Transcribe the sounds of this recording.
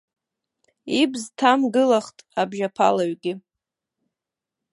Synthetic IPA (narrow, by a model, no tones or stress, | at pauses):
ibztʰamɡɨlaχtʼabʒapʰa̰laɥɡʲɪ